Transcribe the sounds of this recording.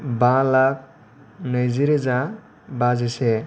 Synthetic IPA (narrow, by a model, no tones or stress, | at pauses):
balak̚ | nəjziɾeza | bazese